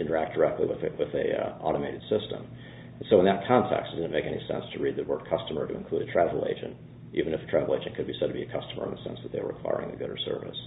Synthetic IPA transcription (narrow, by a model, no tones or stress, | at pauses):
ɪ̃ñtə˞æk̚d̥ə˞ɛk̚tˡliwɨðwɪðiʔɑ̰ɾəmeɪɾɨd̥sɪstə̰̃m | n̩soʊə̃nðət̚kʰɑ̃ntʰɛ̰kstɨtd̥ʌzⁿn̩meɪkɛnḭsɛ̰̃nstʰɨɹid̪̚ðɨtwɜ˞d̚kʰʌstəmə˞ɾɨɨ̰̃nkʰl̥uɾɨtʰɹ̥ævl̩ˠḛɪd͡ʒɨ̰̃nt | ʔivɨ̃nɨfə̥tʰɹ̥ævl̩ˠeɪd͡ʒɨ̃nkʰɨd̚bisɛd̚tʰɨbiɨkʰʌstəmə˞ɨ̃nðəsɛ̰̃nsðɨt̪̚ðeɪə̰˞ɹɨkʰw̥a̰ɪɹɪ̰̃ŋɨɡʊɾə̰˞sɜ̰˞vɨ̰s